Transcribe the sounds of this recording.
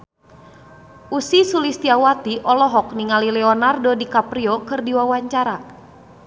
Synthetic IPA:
ʔusisulist̪iawat̪iʔɔlɔɦɔk̚niŋalilɛɔnardodikapɾiɔkɨrdiwawaɲt͡ʃaɾa

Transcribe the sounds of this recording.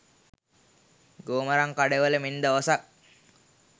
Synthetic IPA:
ɡoːməɾaŋkaɖeʋələmind̪əʋosak̚

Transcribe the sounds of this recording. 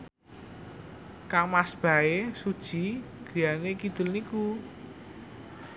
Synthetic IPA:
kamasb̥a̤esud̥ʒ̥i̤ | ɡ̥ijanekid̪̥ʊ̤lniku

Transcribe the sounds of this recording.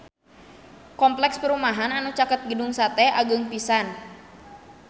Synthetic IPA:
kɔmplɛkspəɾumaɦananut͡ʃakət̪̚ɡəduŋsat̪ɛʔaɡəŋpisan

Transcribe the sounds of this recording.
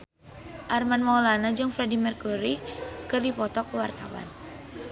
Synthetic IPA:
ʔarmanmaulanad͡ʒɨŋfɾɛdimɛrkuɾikɨrdipɔt̪ɔkəwart̪awa̰n

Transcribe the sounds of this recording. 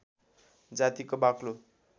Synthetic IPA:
d͡zat̪ikobaklo

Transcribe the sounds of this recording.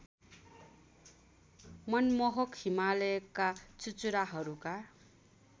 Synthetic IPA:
mʌnmʌɦʌkhimalʌjkːat͡sut͡suɾaɦʌɾuka

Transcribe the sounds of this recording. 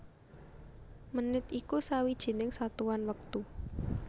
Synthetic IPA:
mənɪt̪ikusawid̥ʒ̥i̤nɪŋsat̪uwanwək̚t̪u

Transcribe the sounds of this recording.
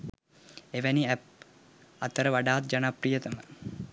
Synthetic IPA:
eʋæniæp̚ | at̪əɾəʋaɖaːt̪̚d͡ʒanaprijət̪əmə

